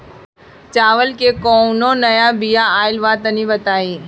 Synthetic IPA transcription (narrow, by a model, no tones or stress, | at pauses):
t͡ʃaːʋəlkekoːnõnɐjabijaaːɪlʋaːt̪ənĩbət̪aːiː